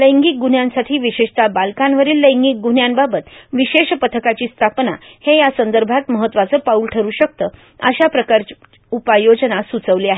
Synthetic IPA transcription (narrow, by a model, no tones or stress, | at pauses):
ləjŋɡiːk̚ɡunjãnsaʈʰiːʋiɕeʂt̪abalkãnʋəɾiːlːəj̃ŋɡiːk̚ɡunjanbabət̪ʋiɕeɕpət̪ʰəkat͡ɕiːst̪ʰapnahejasənd̪əɾbʱat̪məɦət̪ːʋat͡səːpauːlʈʰəɾuːɕək̚t̪əː | ə̰ɕapɾəkaɾt͡ɕ | upajod͡ʑnasut͡səʋliaɦe